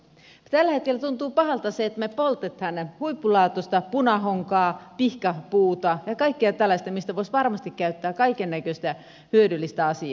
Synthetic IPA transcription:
t̪ælːæhet̪̚kelæt̪unt̪uːpɑhɑlt̪ɑseet̪mepolt̪et̪hɑnhuipːulɑːt̪ost̪ɑpunɑɦoŋkɑːpihkɑpuːt̪ɑjɑkɑikːeɑt̪ælːɑsʲt̪æmist̪æʋoisʋɑrmɑst̪ikkæyt̪ːæːkɑikenːækøst̪æ | hyødylːist̪æɑsiɑ

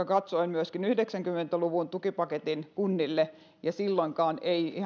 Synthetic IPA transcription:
ɑkɑt̪soimmyøskinyhdeksæŋkymːˑent̪æluʋunt̪ukipɑket̪inkunːilːe | jɑsilːoiŋkɑːneii

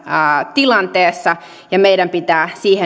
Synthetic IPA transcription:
t̪ilɑnt̪eːsːɑ | jɑmeiɾæmpit̪æːsiːhe

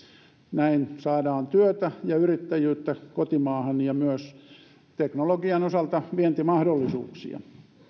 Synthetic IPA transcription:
næinsɑːdɑːnt̪yøt̪æjɑyrit̪ːæjyːt̪ːækot̪imɑːhɑnjɑmyøs | t̪eknoloɡiɑnosɑlt̪ɑʋient̪imɑhdolːisṵːksḭɑ̰

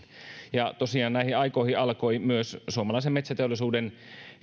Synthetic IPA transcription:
jɑt̪osiɑːnnæihiɑikoihiɑlkoimyøssuomɑlɑis̬emet̪sæt̪eolːˑisuːden

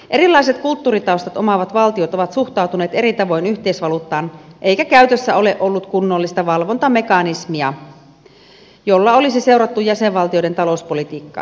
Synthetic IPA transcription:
ʔe̞ɾilːɑiset̪kult̪ːuːɾit̪ɑˑwst̪ɑt̪o̞mɑʋɑt̪ʋɑlt̪io̞t̪o̞ʋɑt̪suxt̪ɑwt̪uneːt̪e̞ɾit̪ɑʋo̞jnyçt̪e̞isʋɑlut̪ːɑːnʔe̞jkækæyt̪øsːæo̞le̞ʔʔo̞lːut̪kunːolːist̪ɑʋɑlʋont̪ɑme̞kɑnismiɑ | jo̞lːɑo̞lisise̞wɾɑt̪ːujæseʋʋɑlt̪io̞jde̞nt̪ɑlouspo̞lit̪iːkːɑ̰ː

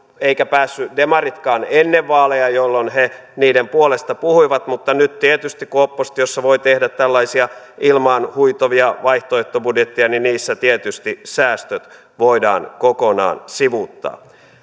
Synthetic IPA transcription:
eikæpæːsːydemɑrit̪kɑːnenːeʋːɑːlejɑjolːonhe | niːdempuolest̪ɑpuhuiʋɑt̪mut̪ːɑnyt̪t̪iet̪yst̪ikuopːost̪josːɑʋoit̪ehdæt̪t̪ælːɑisiɑ | ilmɑːnhuit̪oʋiɑʋɑiht̪oeht̪ːobudjet̪ːiɑniniːsːæt̪iet̪yst̪isæːst̪øt̪ | ʋoidɑ̰ːnkokonɑ̰ːnsiʋut̪ːɑ̰ː

